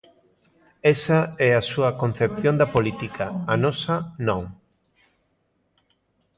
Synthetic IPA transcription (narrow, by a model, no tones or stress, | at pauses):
ɛsɐɛasuɐkon̟θep̚θjõnd̪ɐpolit̪ikʰɐːnɔsɐnõŋ